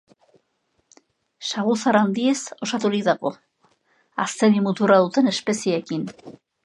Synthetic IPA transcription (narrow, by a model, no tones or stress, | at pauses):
saɣusaɾand̪ie̞so̞sat̪ulik̚d̪aɣo̞ | a̰st̪e̞ðimut̪uɾaðut̪e̞ne̞spe̞sieːkin